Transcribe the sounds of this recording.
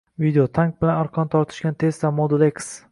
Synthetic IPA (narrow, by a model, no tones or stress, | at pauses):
vid̪eot̪ʰaŋk̚bɪlanaɾqʰɒnt̪ʰɒɾt̪ʰɪ̥ʃkʲant̪ʰe̞st̪amod̪uleks